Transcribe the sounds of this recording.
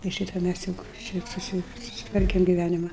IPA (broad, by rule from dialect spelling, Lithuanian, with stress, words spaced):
ɪ ˈʃʲiːtɐ ˈmʲæs ˈjʊk ʃʲɪt ˈsʊsʲɪ sʊsʲɪˈtʋɐrʲkʲɛm ɡʲɪˈʋʲænʲɪmɐ